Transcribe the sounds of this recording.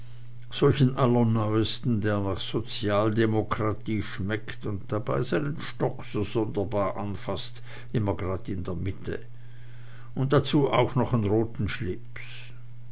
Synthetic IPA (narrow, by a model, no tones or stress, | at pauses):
z̥ɔlçən̩ʔalənɔʏəstn̩deːɐnaːχz̥ot͡sjaːldemokʁ̥atʰiːʃmɛktʊnt̚d̥aba̰ɪzaɪnənʃtɔkz̥oːzɔndɐbaːɐʔa̰nfast | ʔɪmɐɡʁaːdɪndeːɐmɪtʰə̰ | ʔʊnt̚d̥at͡suːʔa̰ʊxnɔχanʁoːtn̩ʃlɪps